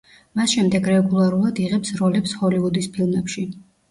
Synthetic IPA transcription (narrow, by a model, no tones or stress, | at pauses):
masʃɛmd̪ɛɡɾɛɡulˠaɾulˠad̪iʁɛpsɾɔlɛpshɔliud̪ispʰilˠmɛpʃi